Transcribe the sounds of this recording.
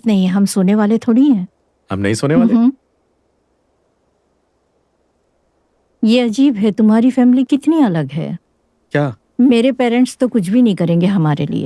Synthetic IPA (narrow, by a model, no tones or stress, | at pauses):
nɐɦĩɦɐmsoːneʋaːlet̪ʰoːɽiɦɛ̃ː | hɐ̰mnɐ̰ɦĩsoːneʋaːlẽ | jeːɐd͡ʒiːbɦɛt̪ʊmɦaːɾifɛːmlikɪt̪niɐləɡɦɛ̰ː | kjaː | meːɾepɛːɾə̃ɳʈst̪okʊt͡ʃʰbʱinɐɦĩkɐɾẽːŋɡeɦɐmaːɾḛlḭḛ